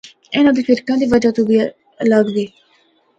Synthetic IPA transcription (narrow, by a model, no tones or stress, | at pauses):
ɪnãːd̪iːpʰɪɾkãːd̪iːʋəd͡ʒaːt̪ũːbiː | ləɡd̪iː